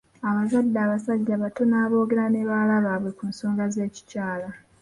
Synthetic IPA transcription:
aβazadːaːβasaɟːaβato̞naːβo̞ːɡe̞ɾane̞βaːlaβaβwe̞kunso̞ːŋɡaze̞ːci̥caːla

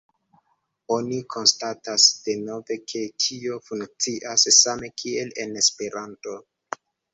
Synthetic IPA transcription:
o̞nikʰo̞nstatasd̥e̞no̞ve̞kʰe̞tʰio̞fuŋkt͡siʔassame̞kʰie̞le̞ne̞spe̞ɾanto̞

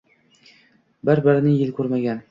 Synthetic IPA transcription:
bɘɾbɘɾɪnɪŋjɪlkʲʰʉɾmaɡʲan

